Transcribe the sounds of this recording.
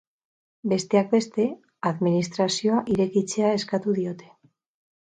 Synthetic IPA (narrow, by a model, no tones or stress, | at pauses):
be̞st̪e̞ak̚be̞st̪e̞ | aðminist̪ɾasio̞aʔiɾe̞kit͡se̞ae̞skat̪uðio̞t̪e̞